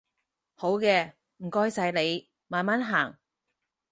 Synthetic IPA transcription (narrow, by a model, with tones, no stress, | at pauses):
ho˨˥wkɛː˧ | m̩˨˩kɔː˧jsɐ˨˧jle˨˧j | maː˨nmaː˨˥nɦaː˨˩ŋ